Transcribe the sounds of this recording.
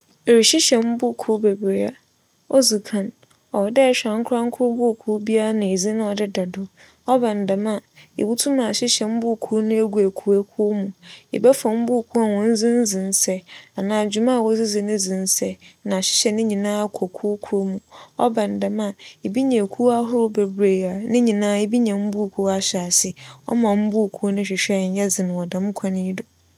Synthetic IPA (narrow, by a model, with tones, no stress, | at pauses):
e˨ɾi˨ɕɪ˦ɕɛ˨m̩˦bʊ˦˨kʰu˦be˨bɾe˨a˦ | ɔ˦zu˨kʰã˨n | ɔ˨wɔ˨dɛ˦˨ɕᶣã˨ŋ̩˦kʰʊ˦ɾa˦ŋ̩˦kʰʊ˦ɾbʊ˦˨kʰu˦bi˦a˦a˦nã˨e˨zi˦nʊ̃˦ɔ˨dɪ˦da˨dʊ˨ | ɔ˦bã˨n̩˨dã˨ma˨ḛ˨bu˦tʰu˦mã˨ɕɪ˦ɕɛ˨m̩˦bʊ˦˨kʰu˦nʊ̃˦e˦ɡʷu˨æ˨kʰu˦æ˦kʰu˦mũ˨ḛ˨bɛ˦fã˨m̩˦bʊ˦˨kʰu˦a˨wɔ̃˨n̩˦zĩ˦n̩˦zĩ˨n̩˦sɛ˦a˨nãː˨d͡ʑu˨mã˦˨wɔ˦zɪ˦zɪ˨nɪ̃˦zɪ̃˨n˦sɛ˦nã˨ɕɪ̥˦ɕɛ˨nɪ̃˦ɲĩ˨nãː˦a˨kʷʰɔ˨kʰu˦kʰu˦o˦mũ˨ɔ̰˦bã˨n̩˨da˨ma˨ɪ˨bi˦ɲã˨kʰu˦a˦ɦʊ˦ɾʊ˦bɛ˨bɾe˨a˨nɪ̃˦ɲĩ˨nãː˦ɪ˦bi˦ɲã˨m̩˦bu˦˨kʰu˦a˦ɕa˨sɪ˦ɔ̰˦mã˨m̩˦bu˦˨kʰu˦nʊ̃˦ɕᶣɪ˨ɕᶣɛ˦˨ɲ̩˦jɛ˦d͡zɪ˨nʊ̃˨ɔ˨dã˨˦m˦kʷʰã˦nɪ̃˦i˦dɔ˨